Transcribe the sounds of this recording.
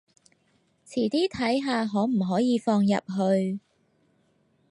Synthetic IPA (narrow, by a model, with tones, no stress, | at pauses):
t͡sʰiː˨˩t̪iː˥t̪ʰɐ˨˥jɦaː˨˧ɦɔː˨˥m̩˨˩ɦɔː˨˥jiː˨˧fɔː˧ŋjɐ̰˨p̚ɦɵ˧ɥ